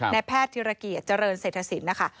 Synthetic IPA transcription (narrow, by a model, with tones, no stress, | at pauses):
na˧pʰɛː˥˩t̪ʰːiː˧ɾa˧ki˨˩ət̪̚t͡ɕa˧ɾɤː˧nseː˨˩t̪ʰːa˧si˩˦nna˦˥kʰa˥˩